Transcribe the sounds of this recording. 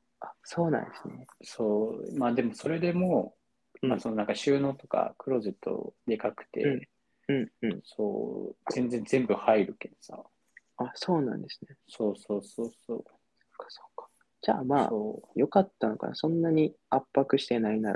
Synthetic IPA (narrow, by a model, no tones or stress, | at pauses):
aso̞ːnã̰nd̪esɨne̞soːmaːd̪e̞mo̞so̞ɾe̞d̪e̞mo̞ | masononãŋkaɕɨːno̞ːt̪o̞ka̰kɯ̟ɾo̞ze̞t̪ːo̞̰d̪e̞kakɯ̟̥t̪e̞̰ | ɯ̟̃ɴɯ̟̃ɴso̰ːzẽ̞nd͡zẽnd͡zẽ̞mbɯ̟haiɾɯ̟ke̞d̪̥osa̰ | aso̞ːnã̰nd̪e̞sɨ̥ne̞so̞ːsoːsoːso̰ː | so̥kːḁso̥kːḁ | d͡ʑa̰ːma̰ːjo̞kat̪ːano̞ka̰na̰sõ̞nːaɲ̟i | apːakɯ̟ɕi̥t̪e̞nainaɾ